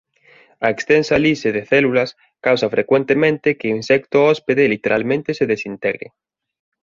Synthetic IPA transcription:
ɐekst̪ɛnsɐliseðɪθɛlulɐs | kawsɐfɾʔekwent̪emẽnt̪ɪkeinsɛkt̪ʊɔspeðelit̪eɾʔalmẽnt̪ɪseðesint̪ɛɣɾɪ̰

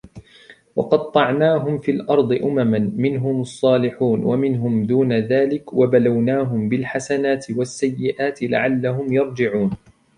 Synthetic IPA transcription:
wɑ̰qɑd̪t̪ˤːɑʕnaːɦʊmfiːlʔɑɾˤd̪ˤɨʔʊmamanmɪnɦʊmɑsˤːɑːlɪħuːnwamɪnɦʊmd̪uːnaðaːlɪkwabalawnaːɦʊmbɪlħasanaːt̪ʰɪwasːajːɪʔaːt̪ɪla̰ʕalːaɦʊmjɑɾˤd͡ʒɪʕuːn

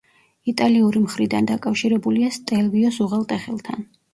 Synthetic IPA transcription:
it̪ʼaliuɾimχɾid̪and̪akʼafʃiɾɛbuliast̪ʼɛlviɔsuʁalˠt̪ʼɛχɛlˠt̪ʰa̰n

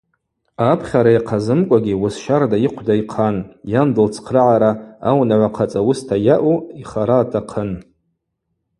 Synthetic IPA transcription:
apʰχʲaɾajqʰazɨmkʷʼaɡʲiwʊsʃardajiqʷʰdaiqʰanjandɨlt͡sʰqʰrɨʕaɾaawnaʕʷaqʰat͡sʼawʊstʰajaʔuiχaɾaːtʰaqʰən

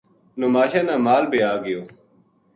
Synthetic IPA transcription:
nomaːɕãːnãːmaːlbeːaːɡɪjoː

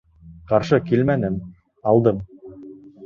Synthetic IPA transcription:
qɑɾʃɤkilmænɘn | ɑlˠd̪ɤm

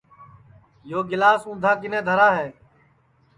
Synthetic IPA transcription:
joːɡɪlaːsũːnd̪ʱaːkɪnẽːd̪ʱəɾaːɦeː

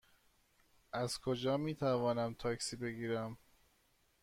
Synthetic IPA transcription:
ʔæzkʰod͡ʒɒːmiːt̪ʰævɒːnæmt̪ʰɒːksiːbe̞ɡiːɾæm

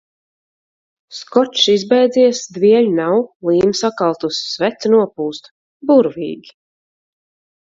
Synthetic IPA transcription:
skɔt͡ʃʃizbɛjd̪ziɛsd̪viɛʎnawlˠiːmsakalˠt̪usːvɛt̪snuɔpuːst̪ | buɾvḭːɡʲi̥

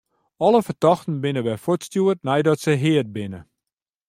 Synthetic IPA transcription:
ɔləfərtɔxtən̩bɪnəʋɛfotstjuət̚nɛjdɔtsəɦɪət̚bɪnə

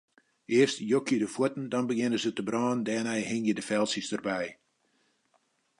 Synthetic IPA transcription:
ʔɪərstjokʰjədəfuətn̩dɔnbəɡɪnəzətəbrɑːndɛːnɛjhɪŋjədəfɛlˠsisdərbɛj

